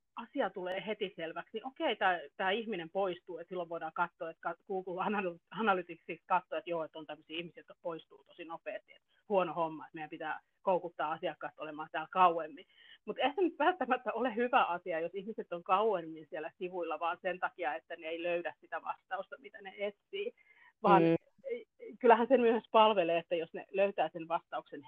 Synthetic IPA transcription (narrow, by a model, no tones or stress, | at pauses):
ɑsiɑt̪uleːhet̪iselʋæksniʔokeit̪æːt̪æːihminempoist̪uːet̪silːoʋʋoidɑːkɑt̪ːoːet̪kɑkuːkulɑnɑlɑnɑlyt̪iksikskɑt̪ːoet̪joːet̪ːont̪æmːøsiːihmisiːot̪ːoppoist̪ṵːt̪o̥sinopeːst̪iḛt̪ | huonohomːɑet̪meijæmpit̪æː | koukut̪ːɑːɑsiɑkːˑɑːst̪olemɑːt̪æːlkɑuemːi | mut̪ehæsenyt̪ʋælt̪ːæmæt̪ːæolehyʋæʔɑsiɑjosihmiset̪ːoŋkɑuemːinsielæsiʋuilːɑʋɑːnsent̪ɑkiɑet̪ːæneeiløyɾæssit̪æʋɑst̪ɑust̪ɑmit̪æneet̪siː | ʋɑːn | kylːˑæhænsemyøespɑlʋeleːet̪ːæjosnḛløyt̪æːsenʋɑst̪ɑuksen